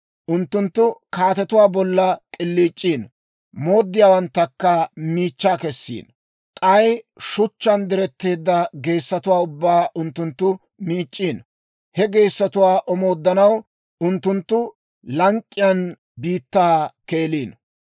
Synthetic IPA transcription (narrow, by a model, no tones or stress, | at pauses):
ʔʊnt̪ːʊnt̪ːʊkaːt̪ɛt̪ʊwaːbɔlːɐkʼɪlːiːt͡ʃʼːiːn | mo̞ːd̪ːɪjaːwɐnt̪ːɐkːɐmiːt͡ʃːaːkɛsːḭːn | kʼɐjʃʊt͡ʃːɐnd̪ɪɾɛt̪ːe̞ːd̪ːɐɡe̞ːsːɐt̪ʊwaːʊbːaːʔʊnt̪ːʊnt̪ːʊ | miːt͡ʃʼːiːn | hɛɡe̞ːsːɐt̪ʊwaːʔɔmo̞ːd̪ːɐnɐw | ʔʊnt̪ːʊnt̪ːʊ | lɐŋkʼːɪjɐn | biːt̪ːaːke̞ːliːn